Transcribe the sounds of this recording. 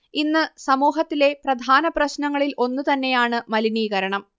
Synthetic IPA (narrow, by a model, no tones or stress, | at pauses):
inːɨsɐmuːɦɐt̪ːile̞prɐd̪ʱaːnɐprɐɕnɐŋːɐɭilʔo̞nːut̪ɐnːe̞jaːɳɨmɐliniːɣɐɾɐɳɐm